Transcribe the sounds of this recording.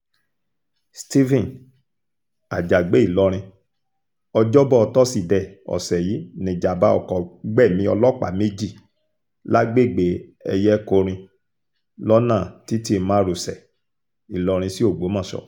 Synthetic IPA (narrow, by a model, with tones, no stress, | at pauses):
sti˦vĩ˦˨n | a˨d͡ʒa˨ɡ͡be˨˦i˦˨lɔ˧ɾ̃ĩ˧ | ɔ˧d͡ʒɔ˦bɔ˦ɔ˧tɔ˦si˦˨dɛ˨ɔ̰˨sɛ˨ji˨˦nĩ˧˨d͡ʒa˨ba˦ɔ̰˧˨kɔ˨ɡ͡bɛ˦˨mĩ˧˦ɔ˧lɔ˦˨k͡pa̰˨me˦d͡ʒi˦˨ | la˦ɡ͡be˦˨ɡ͡be˨˦ɛ˧jɛ˦ko˧ɾ̃ĩ˧ | lɔ˦nãː˦˨ti˨˦ti˦˨˧mãː˦ɾu˨sɛ˨ | i˨lɔ˧ɾ̃ĩ˧si˦o˦˨ɡ͡bo˨˦mã˦˨ʃɔ̰˨